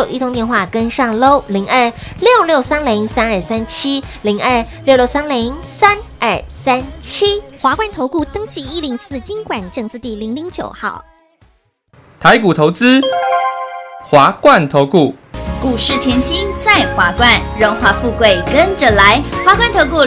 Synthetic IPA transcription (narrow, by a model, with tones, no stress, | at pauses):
ʔḭ˥t̪ʰʊ˧˥ŋt̪jɛ˥˧nxwa˥˩kə˦nʂɑ˥˩ŋlo˥˩ʊli˧˥ŋʔə˞˥˩ljo˥˧ʊljo˥˩ʊsa˥nli˧˥ŋsa˥nə˞˥˨sa˥˦nt͡ɕʰi˦˥li˧˥ŋʔə˞˥˩ljo˥˧ʊljo˥˩s̬a˥nli˧˥ŋsa˥nə˞˥˩sa˥nt͡ɕʰi˥xwa˧˥kwa˥˩nt̪ʰo˧˥ʊku˥˩t̪ɤ˥ŋt͡ɕʰi˧˥i˥li˧˥ŋsɹ̩˥˩t͡ɕi˦˥ŋkwa˨˩nʈ͡ʂɤ˥˧ŋt͡sɹ̩˥˧t̪i˥˩li˧˥ŋli˧˥˦ŋt͡ɕjo̰˨˩ʊxɑ̰˥˩ʊ | t̪ʰa˧˦ɪku˨˩t̪ʰo˨˧˥ʊt͡sɹ̩˦ | xwa˨˥˦kwa˥˨nt̪ʰo˧˦ʊku˥˩ku˨˩ʂɻ̩˥˩t̪ʰjɛ˧˥nɕi˥nt͡sa˥˨ɪxwa˧˥kwa˥˩nɻo˧˥ŋxwa˧˥fu˥˧kwe˥˩ɪkə˦nʈ͡ʂə˨la˧˦ɪxwa˧˥kwa˥˩nt̪ʰo˧˥ʊku˥˩